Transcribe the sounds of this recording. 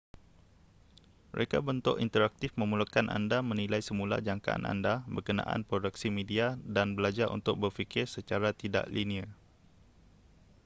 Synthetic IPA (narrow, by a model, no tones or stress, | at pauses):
məɾekabənt̪ʊʔint̪əɾak̚t̪ɪfmə̃mulukanʔa̰ndamə̃nilajsəmũla̰d͡ʒaŋkaʔa̰nʔa̰ndabərkənã̰ʔa̰npɾodək̚simẽdiadanbəlad͡ʒaɾʔṵnt̪ʊk̚bərfikɪrsət͡ʃaɾat̪ida̰ʔlinia